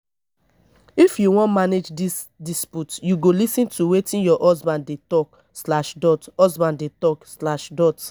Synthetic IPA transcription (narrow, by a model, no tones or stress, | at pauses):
ifjuwɔ̃nmaned͡ʒdisdisputjuɡolisĩntʰuwetĩnjɔʔɔsbãnddetɔk | slaʃdɔtɔsbãndetɔkslaʃdɔt